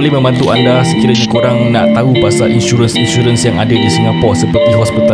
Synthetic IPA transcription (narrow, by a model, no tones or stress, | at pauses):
olɛmə̃mãt̪luʔandasəkiɾaɲikoɾaŋnaʔt̪aupasaʔinʃuɾənsinʃuɾənsjaŋadadisiŋɡapɔrʔsəpərt̪iɦɔspit̪a